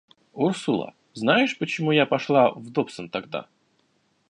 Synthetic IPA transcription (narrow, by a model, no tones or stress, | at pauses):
ursʊlˠə̰ | znajɪʂpət͡ɕɪmujapɐʂlˠavd̪opsənt̪ɐɡd̪a̰